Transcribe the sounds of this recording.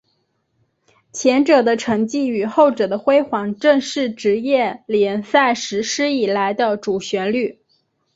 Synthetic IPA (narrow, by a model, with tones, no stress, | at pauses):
t͡ɕʰjɛ˧˥nʈ͡ʂɤ˨˩d̪ə˦ʈ͡ʂʰɤ˧˥ŋt͡ɕi˥˩y˨˩xo˥˩ʊʈ͡ʂɤ˨˩d̪ə˦xwe˥ɪxwɑ˧˥ŋʈ͡ʂɤ˥˧ŋʂɻ̩˥˩ʈ͡ʂɻ̩˧˥jɛ˥˩ljɛ˨˩nsa˥˩ɪʂɻ̩˧˥ʂɻ̩˥i˨˩la˧˥ɪd̪ə˧ʈ͡ʂu˨˩ɕɥɛ˧˥nly˥˩